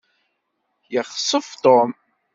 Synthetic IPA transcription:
jəχsˤəft̪om

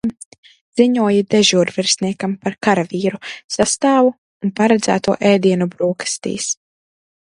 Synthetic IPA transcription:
m | z̥iɲuɔjid̪ɛʒuːɾvɛɾsniɛkampaɾkaɾaviːɾusast̪aːvu | unpaɾɛd̪zæ̰ːt̪uɔʔɛːd̪iɛnubɾuːkḁst̪ḭːs

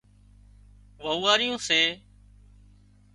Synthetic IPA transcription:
ʋəuːaːɾɪjõːseː

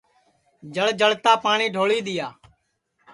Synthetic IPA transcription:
d͡ʒəɭd͡ʒəɭt̪aːpaːɳiːɖʱoːɭiːd̪ɪjaː

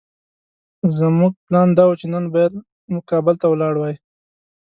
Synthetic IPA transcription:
zəmuɡ̚plɑnd̪ɑwut͡ʃenanbɑjad̪ | mʊkɑbɪlt̪awlɑɽwɑj

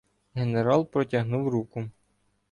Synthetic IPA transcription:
ɦeneɾɑlˠpɾɔtʲɐɦnuwɾukʊ

